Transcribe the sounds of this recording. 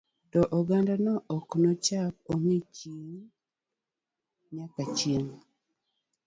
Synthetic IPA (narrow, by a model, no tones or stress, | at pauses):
tɔʔɔɡandanɔʔɔknɔt͡ʃap̚oŋet͡ʃiŋ | ɲakat͡ʃjen